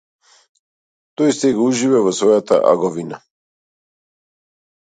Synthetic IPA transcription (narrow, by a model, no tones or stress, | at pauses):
t̪ojst̪eɡuʒivɛvɔsvojat̪a̰ʔa̰ɡoʋina